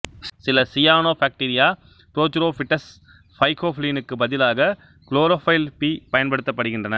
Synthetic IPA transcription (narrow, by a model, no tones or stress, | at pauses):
sɪlɐsɪjaːnoːfaːk̚ʈiɾɪjaː | pɪɾoːt͡ʃːʊɾoːfɪʈːɐs | fɐɪkoːfɪliːnɯkːɯbɐðɪlaːɣɐ | kloːɾoːfɐɪlpiːpɐjɐnpɐɽɯt̪ːɐpːɐɽɯɣɪndrɐnɐ